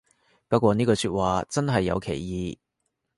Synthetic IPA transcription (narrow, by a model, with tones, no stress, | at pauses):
pɐ˥t̚kʷwɔː˧niː˥kɔː˧syː˧t̚waː˨t͡sɐ˥nɦɐ˨jːɐ̰˨˧wkʰe˨˩jjiː˨˧